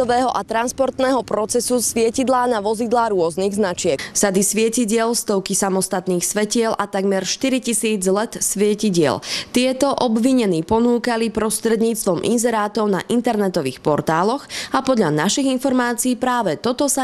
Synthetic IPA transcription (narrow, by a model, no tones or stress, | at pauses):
ɔʋɛːɦɔʔat̪ɾanspɔɾt̪nɛːɦɔpɾɔt͡sɛsusʋɪɛcid̪laːnaʋɔzid̪laːɾʊɔzniːɣznat͡ʃɪɛksad̪isʋɪɛciɟɪɛlst̪ɔʊkisamɔst̪at̪niːxsʋɛcɪɛlʔat̪aɡmɛɾʃt̪iɾicisiːd͡zlɛt̪sʋɪɛciɟɪɛ̰lt̪ɪɛt̪ɔʔɔbʋiɲɛniːpɔnuːkalipɾɔst̪ɾɛd̪ɲiːt͡st̪ʋɔmʔḭnzɛɾaːt̪ɔʊna̰ʔint̪ɛɾnɛt̪ɔʋḭːxpɔɾt̪aːlɔxapɔd̪ʎanaʃiɣinfɔɾmaːt͡siiːpɾaːʋɛt̪ɔt̪ɔsa